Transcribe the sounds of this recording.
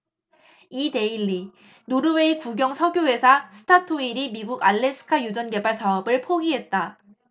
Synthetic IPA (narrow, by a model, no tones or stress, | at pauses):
ite̞iɭːi | noɾɯwe̞ikuɡjʌŋsʰʌɡjowe̞sʰasʰɯ̥tʰatʰoiɾimiɡuɡaɭːe̞sʰɯ̥kʰajud͡ʑʌnɡe̞baɭsʰaʌbɯɭpʰoɡiɦe̞t̚t͈a